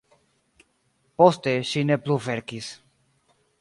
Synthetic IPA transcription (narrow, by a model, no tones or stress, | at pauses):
post̪eʃinepluveɾkis